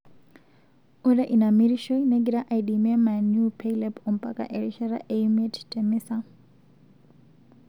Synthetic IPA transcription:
uɾɛʔinamiɾiʃɔineɡiɾaʔaidimiɛmanjupʰeilɛpɔm̩pʼa̰kʼa̰ʔeɾiʃaɾa̰ʔeumɛttʼɛmisa

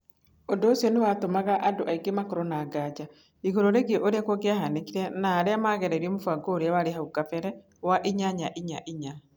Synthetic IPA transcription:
ɔdɔːsiɔnewatomaɣaʔadoʔaiɡemakɔɾɔnaːɡad͡ʒa | iɣoɾoɾeɡiɔʔoɾeakwɔɡeahanekiɾɛnaːɾeamaɣɛɾɛɾiɛmofaɡoːɾeawaɾehauɡafɛɾɛ | waʔiɲaɲaʔiɲa̰ʔiɲa

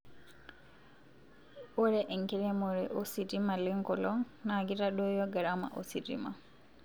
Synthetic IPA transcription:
oɾɛʔeŋkiɾemoɾɛʔositimaliŋkɔlɔŋ | naɡiɾaɗojoɡaɾama̰ʔosiɾḭma

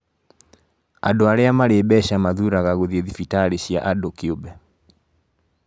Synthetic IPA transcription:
a̰doaɾeamaɾebɛɕamaðuɾaɣaɣoðieðifitaɾeɕja̰ʔadokeobɛ

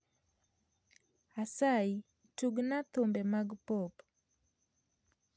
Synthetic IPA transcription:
asai | tuɡnat̪ombemaɡpɔp

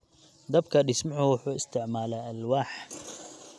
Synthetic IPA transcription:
d̪ɐb̚kʰɐɖɪsmʊʕʊwʊħuːɪst̪ʰɪʕmaːlɛːɐlwaːħ

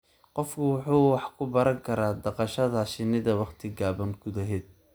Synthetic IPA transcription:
qɔfkʰʊwʊħuːwɑħkʰʊbɐɾɐŋkʰɐɾaːd̪ɑqɑʃɐðɐʃɪnɪðɐwɑχt̪ʰɪɡaːβɐŋɡʊðɐɦɛːd̪̚

